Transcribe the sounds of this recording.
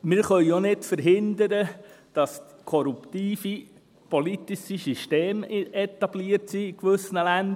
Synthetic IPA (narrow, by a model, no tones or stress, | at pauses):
mɪɾχœʏjonɪtfəɾɦɪnd̪əɾəd̥ɑs | kʰɔɾupt̪iːfi | polit̪iʃisyʃteːmɛt̪ɑb̥liəɾtsiːkʋʏsənəlænd̪